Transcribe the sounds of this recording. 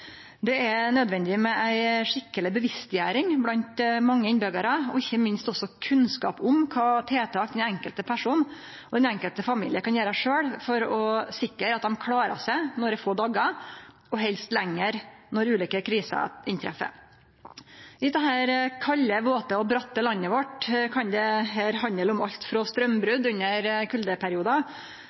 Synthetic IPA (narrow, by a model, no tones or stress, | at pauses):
d̪ɛɛnœd̪ʋɛnd̪ɪɪmɛʔæɪʂɪkːəlɪbəʋɪst̪jæːɾɪŋblɑnt̪mɑŋːəɪnbœɡəɾəɔɪçːəmɪnst̪ɔsɔkʰʉnskɑ̰ːpʊmkʰɑːt̪ʰeːt̪ʰɑːk̚d̪ɛnɛŋkəlt̪əpʰæʂuːn | ɔd̪ɛnɛŋkəlt̪əfɑmiːlɪəɾkɑnjeːɾʂøːɽfɔɾɔsɪkːəɾɑt̪̚d̪ɛmkʰɽɑːɾə̰sæɪnɔɖɛfoːɖ̪ɑɡɑ | ɔɦɛlst̪lɛŋːəɾnɔɾʉːliːkəkʰɾiːsə̰ʔɪnt̪ʰɾɛ̰fə̰ | ɪd̪ɛɦæːɾkʰɑlːəʋoːt̪əɔbɾɑt̪ːəlɑnːəʋɔʈkʰɑnd̪ɛɦæːɾhɑnəlʊmɑʎt̪fɾɔst̪ɾœmbɾʉd̪ʉnːəɾkʰʉld̪əpʰæɾɪuːd̪ɑ